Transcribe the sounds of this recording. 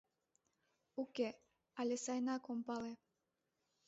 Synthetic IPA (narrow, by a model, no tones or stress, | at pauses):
uke | ɑlʲesɑjnɑkompɑle